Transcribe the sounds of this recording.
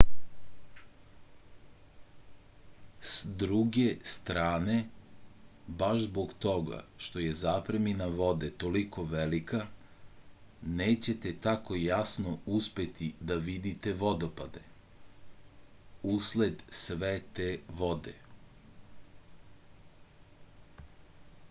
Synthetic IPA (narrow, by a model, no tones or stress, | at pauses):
sd̪ɾuɡe̞st̪ɾaːne̞ | baʃzboɡt̪o̞ɡa̰ʃt̪o̞je̞zaːpɾeminaʋo̞d̪et̪o̞liko̞ʋelika | neːt͡ɕe̞t̪et̪ako̞jasnouspe̞t̪id̪aʋid̪it̪e̞ʋo̞d̪o̞pad̪e̞ | usled̪sʋet̪eʋo̞d̪e